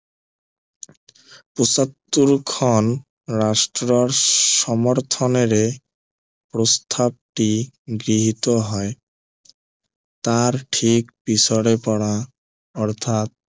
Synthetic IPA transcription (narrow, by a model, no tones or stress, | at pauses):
pusat̪ːuɾkʰɔn | ɾaʃʈɾoɾʃɔmoɾt̪ʰɔneɾe | pɾost̪ʰab̚ʈiɡɾiɦit̪oɦɔe | t̪aɾʈʰikpisoɽepɔɽa | ɔɾt̪ʰat̪̚